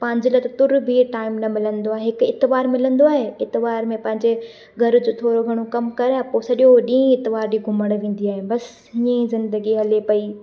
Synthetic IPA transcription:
pɐ̃ɦɪ̃ɲd͡ʑɪlɐt̪ɐt̪ʊɾbʱiʈaːɪmnɐmɪlə̃nd̪oaːɦeɦɪkɪt̪ɪʋaːɾmɪlə̃nd̪oaːɦeɪt̪ɪʋaːɾmẽpɐ̃ɦɪ̃ɲd͡ʑe | ɡʱɐɾd͡ʑoːt̪ʰoːɾoɡʱɐɽ̃okɐmkɐɾãpoːsɐɗjoɗĩːẽɪt̪ɪʋaːɾɗiɡʱʊməɽ̃ʋẽːn̆d̪iaːɦebɐs | ɦɪẽzɪ̃nd̪əɡiɦɐlepɐi

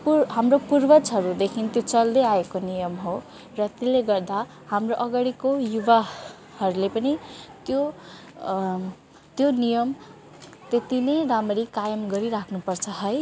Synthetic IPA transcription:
puɦamropurbʌt͡sʌɾud̪ekʰint̪jot͡sʌld̪ʌjaekonijʌmɦo | rʌt̪ileɡʌrd̪a | hamroʔʌɡaɽikojuba | hʌɾulepʌnit̪jo | t̪jonijʌm | t̪et̪inʌjramʌɾikajʌmɡʌɾiɾakʰnupʌrt͡sʰʌɦʌj

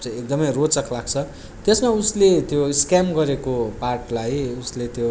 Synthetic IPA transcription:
t͡sʌjek̚d̪ʌmʌjrot͡sʌkʰlaɡ̚t͡sʰʌ | t̪esmauslet̪joskamɡʌɾekoparʈlajuslet̪jo

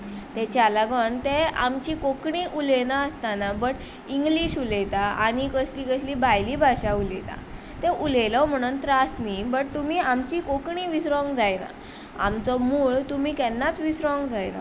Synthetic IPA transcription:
t̪et͡ɕalaɡɔnt̪ea̰mt͡ɕikokɳiʔulenaəst̪anabəʈ | iŋɡliɕulet̪aa̰ɽ̃ikəsliːkəsliːbajliːbʱaɕaulḛt̪a̰ | t̪eʔulelɔm̤əɽ̃unt̪ɾasnibəʈ̚t̪umiːamt͡ɕikokɳiːʋisɾɔ̃ŋɡd͡zajna̰ | a̰mt͡sɔmuːɭt̪um̤iːkɛnːat͡sʋisɾɔŋɡd͡zajna̰

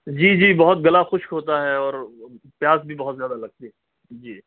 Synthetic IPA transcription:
d͡ʒiːd͡ʒiːbɐɦʊt̪̚ɡɐlaxʊʃkɦoːt̪aɦɛɔːɾ | pjaːzbʱibɐɦʊt̪zjaːd̪alɐɡ̚t̪iɦɛ | d͡ʒiː

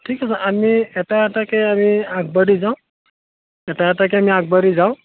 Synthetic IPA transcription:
ʈʰikasəʔamieʈaeʈakeamiak̚bəɾizaw̃ | eʈaɛʈak̬eamiak̚bəɾizaw̃

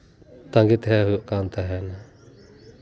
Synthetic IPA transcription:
t̪aŋɡit̪ɦɛɦujuʔkant̪aɦɛna

